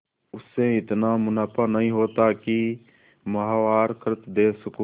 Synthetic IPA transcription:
ʊsːeɪt̪namʊnaːpʰənɐɦĩɦoːt̪aki | mɐɦaːwaːɾkʰɾɪt̪d̪eːsʊk

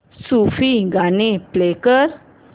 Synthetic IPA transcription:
sufiɡʱaniplekəɾ

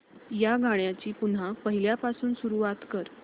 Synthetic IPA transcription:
jaɡaɳjat͡ɕiːpunɦapəɦiljapasuːnsuɾuʋat̪kəɾ

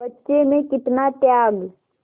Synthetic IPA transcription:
bɐtːʃemẽkɪt̪nat̪jaːɡ

